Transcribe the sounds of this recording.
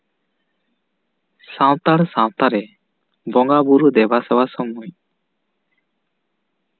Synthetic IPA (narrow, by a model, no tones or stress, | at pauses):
sãw̃t̪aɽsãw̃t̪aɾɛ | bɔŋɡabuɾud̪ɛbasɛwasɔmuɲ